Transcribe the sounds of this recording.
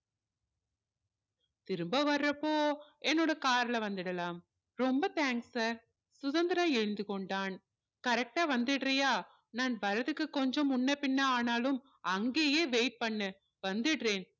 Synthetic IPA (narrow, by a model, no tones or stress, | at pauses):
t̪ɪɾɯmbɐʋɐrːɐpːoːɛnːoːɽɐkaːɾlɐʋɐnd̪ɪɽɐlaːm | ɾɔmbɐt̪aːŋksaːɾ | sʊðɐnd̪ɐɾɐmɛɻɯnd̪ɯkɔɳɖaːn | kɐɾɛk̚ʈaːʋɐnd̪ɪɽrɐjaː | naːnbɐɾɐðɯkːɯkːɔɲd͡ʒɔ̃mʊnːɐpɪnːɐaːnaːlɯm | ɐŋɡeːjeːʋeːʈ̚pɐɳːɯ | ʋɐnd̪ɪɽreːn